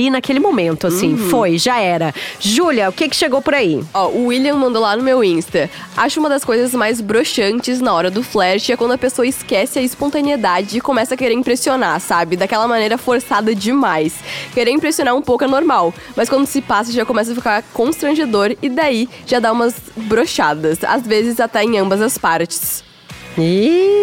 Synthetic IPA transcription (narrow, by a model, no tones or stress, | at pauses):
inakelɪmomẽnt̪ʊasĩffojʒaɛɾɐʒulʲɐʊkɪkɪ̥ʃeɡowpoɾaiɔʊiliɐ̃mɐ̃nd̪olanʊmewĩst̪ɐ | aʃʊũmɐd̪ɐskojzɐzmajzbɾoʃɐ̃nt͡ʃɪznɐɔɾɐd̪ʊflɛɾʃɪɛkwɐ̃nd̪ʊɐpesoɐɪskɛsɪɐɪspõnt̪ɐnied̪ad͡ʒɪːkõmɛsɐkeɾeɾĩpɾesionasabɪd̪akɛlɐmɐnejɾɐfoɾsad̪ɐd͡ʒɪmajskeɾeĩpɾesionaũpowkʊɛnoɾmaw | mɐskwɐ̃nd̪ʊsɪpasɐʒakõmɛs̬ɐfikaɾkõst̪ɾɐ̃ʒed̪oɾɪd̪aiʒ̥ad̪aũmɐzbɾoʃad̪ɐsa̰zvezɪzat̪ɛẽj̃ɐ̃mbɐzɐspaɾt͡ʃɪ̥s | i